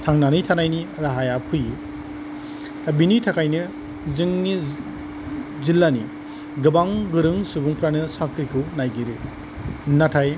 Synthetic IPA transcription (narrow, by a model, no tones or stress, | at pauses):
tʰaŋnanɯjtʰanajniɾaɦajapʰɯj | abinitʰakʰajnɯ | zɯŋni | zilːani | ɡɯbaŋɡɯɾɯŋsubuŋpʰɾanɯsakɾikʰɯwnajɡiɾɯ | natʰaj